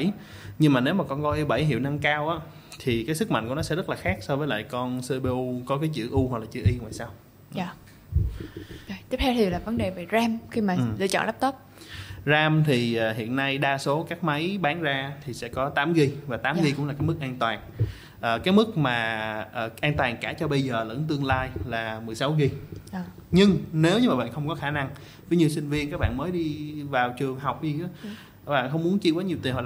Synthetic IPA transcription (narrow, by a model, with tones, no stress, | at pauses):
j | ɲɨ˧ŋmaː˨˩ne˨˦wmaː˨˩kɔ˧nkɔ˧ʔi˧ɓə˧˩jɦḭ˧˨wna˧ŋkaː˧wʔaː˨˦˥ | t̪ʰi˨˩kaː˨˦js̬ɨ˦˥k̚ma̰˧˨jŋku˧˩ənɔ˨˦sɛ̰˧˥zə˦˥t̚laː˨˩xaː˦˥k̚sɔ˧vəː˨˦jla̰ː˧˨jkɔ˧nsɨ˧ɓe˧ʔu˧kɔ˨˦kaː˨˦jt͡ɕɨ̰˧˨ʔu˧ha˨˩k̚laː˨˩t͡ɕɨ̰˧˩əʔi˧ŋwa̰ː˧˨jsaː˧w | jt̪i˦˥ət̪ʰe˧wt̪ʰi˨˩laː˨˩və˨˦nɗe˨˩ve˨˩zaː˧mxi˧maː˨˩˨ɨ̰˧˨t͡ɕɔ̰˧˨nla˦˥p̚t̪o˦˥p̚ | zaː˧mt̪ʰi˨˩ʔəː˨˩ɦḭ˧˨ənːa˧jɗaː˧so˨˦kaː˦˥k̚ma˨˦jɓaː˨˦nzaː˧t̪ʰi˨˩sɛ̰˧˥kɔ˨˦t̪aː˨˦mɣi˧vaː˨˩t̪aː˨˦mɣi˧kʊ̰˧˥ŋ͡mla˨˩kaː˨˦jmɨ˦˥k̚ʔaː˧nt̪waː˨˩n | ʔəː˨˩kaː˨˦˥j̚mɨ˦˥k̚maː˨˩ʔəː˨˩ʔaː˧nt̪waː˨˩nkaː˧˩t͡ɕɔ˧ɓə˧jzəː˨˩lə̰˧˥nt̪ɨ˧əŋlaː˧jlaː˨˩mɨ˨˩əjsa˨˦wɣi˧˨ | ɲɨ˧ŋne˨˦wɲɨ˧maː˨˩ɓa̰ː˧˨nxə˧wŋ͡mkɔ˨˦xaː˧˩na˧ŋ | vi˨˦jɲi˧wsï˧ŋ̟vi˧ənkaː˦˥k̚ɓa̰ː˧˨məː˨˦jɗi˧vaː˨˩wt͡ɕɨ˨˩əŋɦa˨˩wk͡p̚ziː˨˩˨ | ɓa̰ː˧˨nxə˧wŋ͡mmu˨˦ənt͡ɕi˧ka˨˦ɲi˨˩əwt̪i˨˩nɦɔ̰˧˨